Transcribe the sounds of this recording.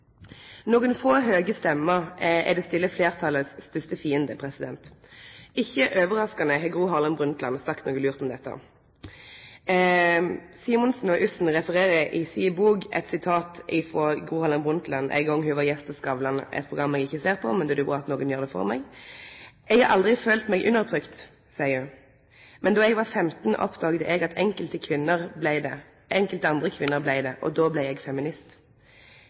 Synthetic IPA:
noːɡənfoːɦøːɡəst̪ɛmːəʁɛ̰d̪ɛːst̪ɪlːəfleːʁt̪ʰɑlːəsːt̪ʏst̪əfiːənd̪əpʰʁɛsɪd̪ɛnt̪ | ɪçːəʔøːʋəʁɑskɑnəɦɛɡʁuːɦɑʁlɑnbʁʉnt̪lɑnsɑkt̪noːɡəlʉːʁt̪ɔmd̪ɛt̪ːə̰ | siːmʊnsn̩ɔʔʉsn̩ʁɛfəʁeːʁəʔɪsiːbuːɡɛ̰t̪sɪt̪ʰɑːt̪ɪfʁɔɡuːhɑlɑnbʁʊnt̪lɑnʔæ̰ɪɡɔŋːɦʉʋɑjɛst̪ɔskɑʋlɑnʔɛ̰t̪̚pʰʁʊɡʁɑmːɛɡɪçːəseːʁpʰɔ̰mɛnd̪ɛd̪ʉbuːɑt̪noːɡənjøːʁd̪ɛfɔ̰ʁmɛɡ | ɛɡhɑɾʔɑld̪ʁɪføːlt̪mɛɡʔʉ̰nːəʁt̪ʰʁʏkt̪ | sæɪʉ | mɛnd̪ɑːɛɡʋɑʁfɛmt̪n̩ʔɔ̰pd̪ɑːɡd̪əʔɛɡɑt̪ʰɛŋkəlt̪əkʰʋɪnːəʁblæɪd̪ɛ | ʔɛŋkəlt̪əɑnd̪ʁəkʰʋɪnːəʁblæɪd̪ɛʔɔ̰d̪oːblæɪɛɡfɛmɪnɪst̪

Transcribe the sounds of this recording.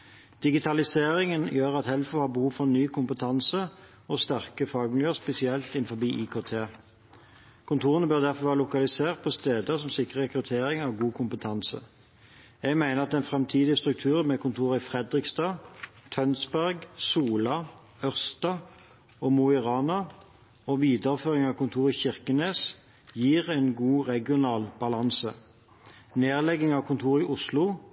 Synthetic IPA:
d̪̥ɪɡɪt̪ʰɑlɪseːʁɪŋənjøːʁɑt̪hɛlfɔhɑːʁbəhuːʋfɔʁnyːkʰʊmpət̪ʰɑnsə | ɔst̪æʁkəfɑːɡmɪljøːʁspɛsɪɛlt̪ɪnfɔbiːʔiːkʰoːt̪ʰeː | kʰʊnt̪ʰuːʁənəbøːʁd̪æʁfɔʋæːʁəlʊkɑlɪseːʁt̪̚pʰɔst̪eːd̪əsɔmsɪkʁəɛkʁʉt̪ʰeːʁɪŋɑʋɡuːkʰʊmpət̪ʰɑnsə̰ | jɛɡmæɪnəʁɑt̪ɛnfʁɛmt̪ʰiːd̪ɪst̪ʁʉk̚t̪ʰʉːʁmɛkʰʊnt̪ʰuːʁɪfʁɛd̪ʁɪkst̪ɑːt̪ʰœnsbæʁɡsuːlɑ | œʁst̪ɑ | oːmuɪʁɑːnɑ | oʋiːd̪əʁføːʁɪŋɑʋkʊnt̪ʰuːʁɪçɪʁkəneːs | jiːʁɛnɡuːʁɛɡɪʊnɑːlb̥ɑlɑnsə | neːʁlɛɡɪŋɑʋkʰʊnt̪ʰuːʁɪʔʊslʊ

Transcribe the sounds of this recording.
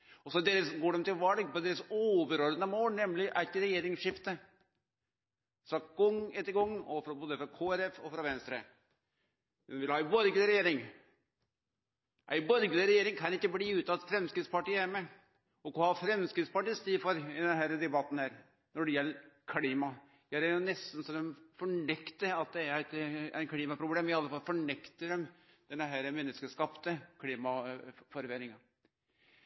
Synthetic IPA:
ɔsɔd̪eːɾəsɡoːɖɛmt̪ɪlʋɑlɡpɔd̪eːɾəsoːʋəɾɔɾd̪ənəmoːlnɛmlɪʔæt̪ːɾɛjeːɾɪŋsʂɪft̪ə | fɾɑɡ̥ɔŋːɛt̪ːəɾɡɔŋːɔ̰fɾɔboːd̪əfɾɑkʰoːɛɾɛfɔfɾɑʋɛnst̪ɾə̰ | ɛnʋɪlhɑːɪbɔɾɡələɾɛjeːɾɪŋ | ʔæ̰ɪbɔɾɡələɾɛjeːɾɪŋkʰɑnɪkːəbliːʉːt̪ːɑt̪fɾɛmskɾɪt̪spɑʈiːəæɾmɛ | ɔkɔhɑfɾɛmskɾɪt̪spɑʈiːst̪iːfɔɾɪd̪ɛnɦæːɾəd̪ɛbɑt̪ːn̩hæːɾ | nɔɖɛjɛlːəɾkʰliːmɑ | jæɾæɾjʊnɛst̪n̩sɔd̪ɛmfɔɳɛkt̪əɾɑt̪̚d̪ɛæɾæɪt̪æ̰ɪkʰliːmɑpʰɾʊbleːmɪɑlːəfɑlːfɔɳɛkt̪əd̪ɛm | d̪̥ɛnːəɦæːɾəmɛnːəskəʂkɑpt̪əkʰliːmɑfɔɾʋeːɾɪŋɑ

